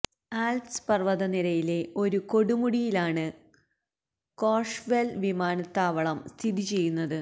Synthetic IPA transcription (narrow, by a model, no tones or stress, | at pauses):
aːlspɐrʋɐðɐniɾɐjile̞o̞ɾuko̞ɽumuɽijilaːɳɨ | ko̞ːʂʋelʋimaːnɐt̪ːaːʋɐɭɐmst̪ʰiðit͡ɕe̞jːunːɐðɨ